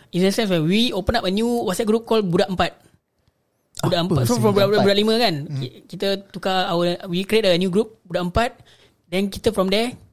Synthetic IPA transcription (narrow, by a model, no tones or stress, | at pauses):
issɛ̃ns̬wɛwiopənap̚ənjuwasɛt̚ɡɾup̚kɔlbudaʔəmpat̪̚ | budaʔəmabuabbudaʔlimə̃kanikit̪ət̪ukaːwəwikɾiet̚əənjuɡɾup̚budaʔəmpat̪̚ | dɛ̃nkit̪əfɾɔ̃mdɛ